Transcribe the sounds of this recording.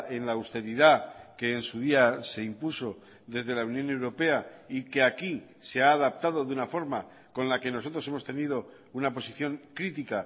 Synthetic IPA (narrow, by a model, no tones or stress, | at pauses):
e̞nlaːwst̪e̞ɾiðake̞ːnsuðiase̞impuso̞ | ðe̞zðe̞launjõ̞ne̞wɾo̞pe̞aike̞akise̞aːðap̚t̪að̞o̞ðunafo̞ɾma | ko̞nlake̞no̞so̞t̪ɾo̞se̞mo̞st̪e̞nið̞o̞ | unapo̞siθjo̞ŋkɾit̪ika